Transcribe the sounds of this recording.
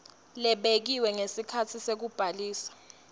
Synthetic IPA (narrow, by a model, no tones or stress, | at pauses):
lɛɓek̬iwɛŋesikʰatʰisek̬ub̥ʱaliːsḁ